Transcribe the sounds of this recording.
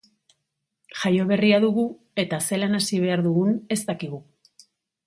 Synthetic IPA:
ʝajo̞β̞e̞riaðuɣu | e̞t̪ase̞lanasiβ̞e̞aɾðuɣune̞st̪akiɣu

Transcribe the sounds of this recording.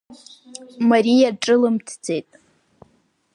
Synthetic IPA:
maɾijaʈ͡ʂʼɨlɨmtʰd͡ze̞jtʼ

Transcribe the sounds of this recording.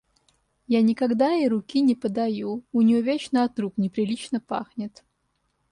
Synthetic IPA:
janʲɪkɐɡd̪aiɾʊkʲinʲɪpəd̪ɐjuʊnʲɪjovʲet͡ɕnəɐt̪ɾuknʲɪpɾʲɪlʲit͡ɕnəpa̰xnʲɪt̪

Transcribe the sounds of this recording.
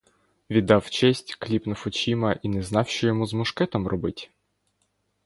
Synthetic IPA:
ʋʲid̪ːɑwt͡ʃɛsʲtʲklʲipnʊfɔt͡ʃimɐʔinɛznɑwʃɔjɔmuzmʊʃkɛt̪ɔmrʔɔbɪtʲ

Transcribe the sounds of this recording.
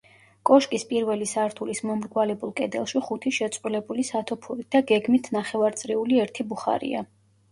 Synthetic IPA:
kʼɔʃkʼispʼiɾvɛlisaɾt̪ʰulismɔmɾɡwalɛbulˠkʼɛd̪ɛ̰lˠʃiχut̪ʰiʃɛt̪sʼqʼwilɛbulisat̪ʰɔpʰuɾit̪̚d̪aɡɛɡmit̪ʰnaχɛvaɾt̪sʼɾiuliɛɾt̪ʰibuχa̰ɾḭa̰

